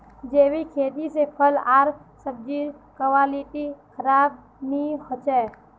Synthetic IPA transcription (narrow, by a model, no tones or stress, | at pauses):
d͡ʒeːwikʰeːd̪isepʰəlaːɾsəb̚d͡ʒikəwaːliʈ̪ikʰəɾaːb̚ | nihot͡ʃɛː